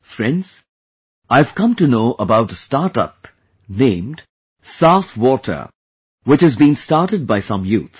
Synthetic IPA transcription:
fɹɛ̃ndz̥ | ʔaɪv̥kʌ̃mtɨnoʊʔəbaʊt̚əstɑɹtʌ̰p | nẽɪ̃md̥ | saʊfwɔtʰə̰˞ | wɨt͡ʃhɨzbĩnstɑɹʈɨd̚baɪsʌ̃mjut̪

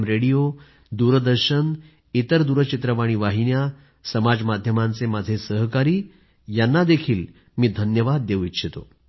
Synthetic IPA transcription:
mɾeɽijo | d̪uɾd̪əɾɕən | it̪əɾd̪uɾət͡ɕit̪ɾəʋaɽ̃iːʋaɦiɳja | səmad͡zmad̪ʱjəmãnt͡semad͡zʱesəɦkaɾiː | janːad̪ekʰiːl | miːd̪ʱənjəʋad̪̚ːeʋʋitɕʰet̪o̰

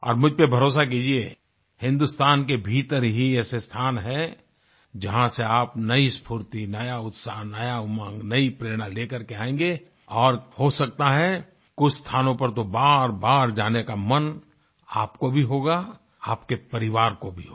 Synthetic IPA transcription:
ɔ̰ːɾmʊd͡ʒʱpebʱɐɾoːs̬ak̬iːd͡ʒie | hɪ̃nd̪ʊst̪aːnkebʱiːt̪əɾɦiɛːsest̪ʰaːnɦɛ̃ | d͡ʒɐɦãseaːpnɐispʰuːɾt̪inɐjaʊt̪saɦnɐjamãːŋɡnɐipɾeːɾɽ̃aleːkəɾkeaːẽːŋɡe | ɔːɾhosɐk̚t̪aɦɛ | kʊt͡ʃʰst̪ʰaːnõpɐɾt̪obaːɾbaːɾd͡ʒaːnekamɐn | aːpkobʱiɦoːɡa | aːpkepɐɾɪʋaːɾkobʱiɦo

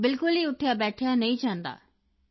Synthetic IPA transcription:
bɪlkʊlɦiʊʈʰjabɛːʈʰjanɐĩd͡ʒãːnd̪a̰ː

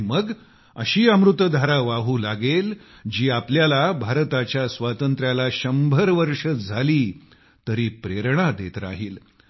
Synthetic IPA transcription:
məɡ | ə̰ɕiːamɾut̪əd̪ʱaɾaʋaɦuːlaɡel | d͡ʑiːapljalabʱaɾt̪at͡ɕjasʋat̪ənt̪ɾjalaɕəmbʱəɾʋəɾʂəd͡zʱaliː | t̪əɾiːpɾeɾɳad̪et̪ɾa̰ɦiːl

